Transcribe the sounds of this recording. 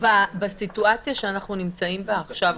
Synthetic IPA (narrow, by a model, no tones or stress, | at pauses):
babasituat͡sjaʃeanaχnunimt͡saimbaːχʃav